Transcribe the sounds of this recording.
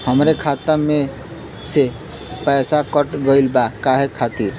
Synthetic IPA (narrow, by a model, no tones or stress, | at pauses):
həmɾekʰaːt̪əmẽ | se | pɛːsakəʈɡɔilbakaɦekʰat̪iːɾ